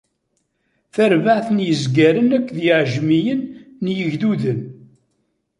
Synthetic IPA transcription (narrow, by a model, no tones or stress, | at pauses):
θæɾvaʕθənjəzɡæɾənækʷːðjɪʕʒmijənːjəʝðuðən